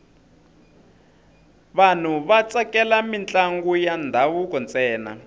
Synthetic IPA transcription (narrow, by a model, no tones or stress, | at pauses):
βan̤uβat͡sakɛlamint͡ɬʼaŋɡujand̪ʱawukɔnt͡sʼɛːna̰